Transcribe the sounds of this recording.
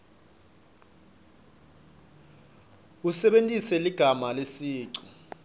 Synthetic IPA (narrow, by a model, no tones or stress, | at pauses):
usɛɓentʼisɛliɡ̥ʱamalesiːǀu